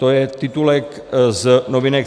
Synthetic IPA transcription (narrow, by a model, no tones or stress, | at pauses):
t̪ojɛt̪ɪt̪ulɛk | znovinɛk